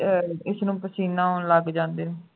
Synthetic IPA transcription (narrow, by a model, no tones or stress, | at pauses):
ɪsnũːpəsiːnãːoləɡd͡ʒãːnd̪eːneː